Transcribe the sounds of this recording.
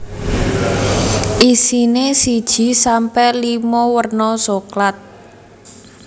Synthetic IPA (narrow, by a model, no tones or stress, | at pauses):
ʔisinesid̥ʒ̥i̤sampɛlimɔwərnɔsoklat̪̚